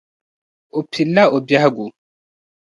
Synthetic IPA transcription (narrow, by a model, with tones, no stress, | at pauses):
o˨pʰi˨lːa˦o˨bja˦ɡu˨